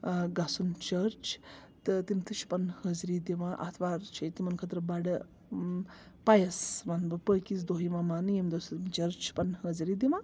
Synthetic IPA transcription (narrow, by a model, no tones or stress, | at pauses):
ɡɐsunt͡ʃəɾt͡ʃt̪ɨt̪imt̪ʰɨt͡ʃʰi̥pɐnhəzɾid̪iʋãʔɐ̰t̪ʰʋaːɾt͡ʃʰit̪imɐnkʰɐt̪ɾɐbɐɽə | pajɐsmanbɨpəːkis̬d̪oːɦimamanjemd̪osimt͡ʃɐɾt͡ʃʰpɐnhəzɾiːd̪iʋã